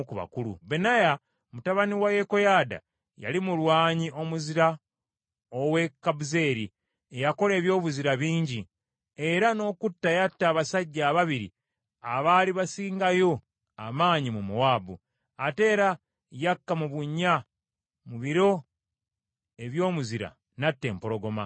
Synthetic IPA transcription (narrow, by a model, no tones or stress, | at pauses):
kuβa̰kulṵbenaja | mutaβaniwaje̞ko̞jaːda̰ | ja̰limulwaːɲiʔo̞muziɾa | owe̞kːabuze̞ːɾi | ejako̞le̞ːβjo̞ːβuziɾaβiːɲɟi | e̞ɾano̞ːkutːajatːaːβasaɟːaːβaβiɾḭ | aβaːliβasiːŋɡajo̞ | a̰maːɲimumuwaːbu | ate̞ːɾa | jakːamuβuɲːa | muβiɾo̞ | e̞βjo̞ːmuziɾa̰ | natːe̞ːmpoɾo̞ɡo̞ma